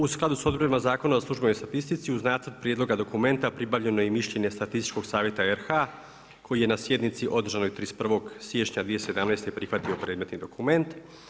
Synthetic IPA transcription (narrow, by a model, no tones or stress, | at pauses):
usklˠad̪uso̞d̪̚boɾimazaːkonazaslˠuʒbenost̪at̪ist̪it̪siuznaːt̪zərd̪̚pɾjed̪lo̞ɡad̪o̞kume̞nt̪apɾibaʋʎe̞no̞jemiʃʎe̞ɲe̞st̪at̪ist̪i̥t͡ʃko̞ɡsaːʋje̞t̪aeɾxa | kʰo̞jije̞nasje̞d̪nit̪siʔo̞d̪r̩ʒanojt̪ɾispr̩ʋo̞ɡsjet͡ʃɲad̪ʋije̞se̞d̪amnajst̪epɾixʋat̪io̞pɾe̞ːd̪me̞t̪nid̪o̞kume̞nt̪